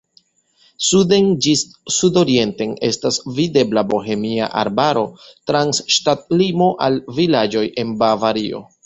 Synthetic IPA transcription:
sudend͡ʒi | sudo̞ɾie̞nte̞ne̞stasvide̞blabo̞ɦe̞mia̰ʔa̰ɾbaɾo̞tɾansʃtat̚limo̞ʔalvilad͡ʒo̞jʔe̞nbavaɾio̞̰

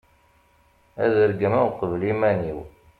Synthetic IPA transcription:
æ̰ðəɾɡəmæwqəvlimæniw

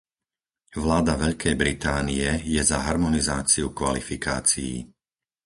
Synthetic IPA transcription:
ʋlaːd̪aʋɛʎkɛjbɾit̪aːniɛjɛzaɦaɾmɔnizaːt͡siukʋa̰lifika̰ːt͡sijḭ

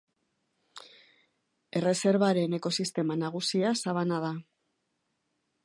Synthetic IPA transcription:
e̞re̞se̞ɾβaɾe̞ne̞ko̞sist̪e̞manaɣ̞usiasaβanað̞a

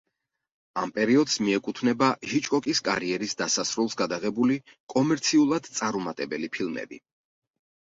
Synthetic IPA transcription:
ampʼɛɾiɔd̪smiɛkʼut̪ʰnɛbaʒit͡ʃʼkʼɔkʼiskʼa̰ɾiɛɾisd̪asasɾulˠsɡad̪aʁɛbuli | kʼɔmɛɾt̪sʰiulˠad̪t̪sʼaɾumat̪ʼɛbɛlipʰilˠmɛ̰bḭ

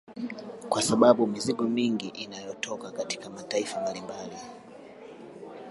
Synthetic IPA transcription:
kwasaɓaɓumiziɡɔmiŋɡiʔinajɔtʰɔkakati̥kamataifambalimbali

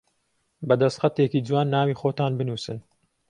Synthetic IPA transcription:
bɐd̪ɐst̪xɐt̪eːkiːd͡zwaːnːaːwiːxoːt̪aːnbɨnuːsɨn

